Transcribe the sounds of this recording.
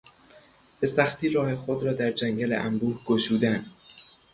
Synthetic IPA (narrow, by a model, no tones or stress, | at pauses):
b̥e̞sæxt̪ʰiːɾɒːhe̞xod̪ɾɒːd̪æɾd͡ʒæŋɟælḛʔæmbuːhɡ̥oʃuːd̪æn